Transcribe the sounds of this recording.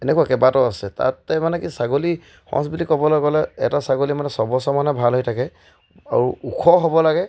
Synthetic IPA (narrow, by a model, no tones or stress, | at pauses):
ɛnɛkuakɛbatɔasɛta̰tːɛmanɛkisaɡoli | hɔ̰̃sbulikɔbɔlɔɡɔlɛɛ̰tasaɡolimanɛsɔbɔsɔmanɛbʱalɦojtʰakɛ | a̰ɹuukʰɔɦobɔlaɡɛ